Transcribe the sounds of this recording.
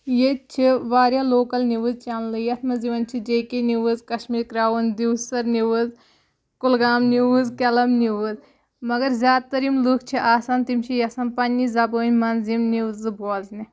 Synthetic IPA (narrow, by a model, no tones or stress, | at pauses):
jet̚t͡ʃʰiʋaːɾʲjaːloːkɐlniʋɨzt͡ʃaːnlɨjɐt̪ʰmɐziʋɐnʲt͡ʃʰid͡ʒeːkeniʋɨzkɐʃmiːɾkɾaːʋɐnʲd̪iwsɐɾniʋɨz | kulɡaːmniʋɨzkʲɐlɐmniʋɨz | mɐɡɐɾzʲjaːd̪̚t̪ɐɾimlukʰt͡ʃʰiʔaːsaːnt̪imt͡ʃʰijɐsɐnpɐnʲːizɐboːnʲmɐnzimniwzɨbʱoːzni